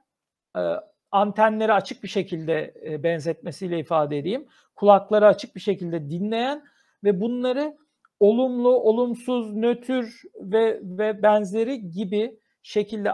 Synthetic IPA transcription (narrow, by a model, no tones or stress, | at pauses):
ant̪ʰænlʲe̞ɾiat͡ʃʰɯk̚biʃe̞cʰilʲd̪ɛbɛnzɛt̪̚me̞sijlʲɛifaːd̪ɛd̪ejim | kʰulˠaklˠaɾaat͡ʃʰɯk̚biʃe̞cilʲd̪ɛd̪inlʲe̞jæn | vɛbunlˠaɾɯ | o̞lˠumlˠuʔo̞lˠumsuznø̞t̪ʰyɾvɛvɛbænzlʲe̞ɾiɟibi | ʃe̞cʰilʲd̪ɛ